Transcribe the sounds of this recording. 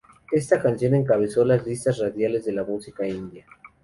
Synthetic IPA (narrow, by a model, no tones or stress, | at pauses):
e̞st̪akansjo̞ne̞ŋkaβ̞e̞so̞lazlist̪asraðjale̞zðe̞lamusikaind̪ja